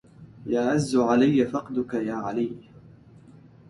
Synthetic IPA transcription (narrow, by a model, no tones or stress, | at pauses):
jaːʔazːʊʕalajːafɑqd̪ʊkajaːʕalij